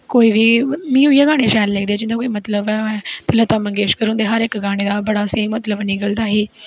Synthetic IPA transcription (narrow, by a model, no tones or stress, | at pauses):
koːiːʋiːmĩːʊijaːɡaːɽ̃eːʃɛːlleːk̚d̪eaːd͡ʒɪnd̪aːkoːimət̪ləbɛt̪ɪlət̪aːməŋɡeːʃkəɾũːnd̪eːɦəɾɪkɡaːɽ̃eːd̪aːbəɽaːseːmət̪ləbnikəld̪aːɦiː